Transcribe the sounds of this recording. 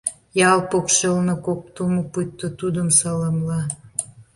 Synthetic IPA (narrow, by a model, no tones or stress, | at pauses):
jɑlpokʃelnokok̚t̪uməput̪ːot̪ud̪əmsɑlɑmlɑ